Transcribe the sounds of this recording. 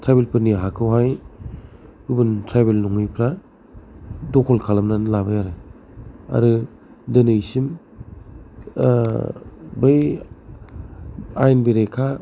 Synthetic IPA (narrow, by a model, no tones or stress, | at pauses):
tʰɾajbelpʰɯɾniɦakʰɯwɦaj | ɯbɯntʰɾajbelnɔŋɯjpʰɾa | dɔkʰɔlkʰalamnalabajaɾɯ | a̰ɾɯ | dɯnɯjsim | bɯj | ajnbiɾekʰa